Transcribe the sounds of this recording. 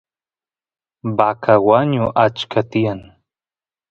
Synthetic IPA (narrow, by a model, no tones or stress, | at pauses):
bakʰawaɲuʔat͡ʃkʰat̪ian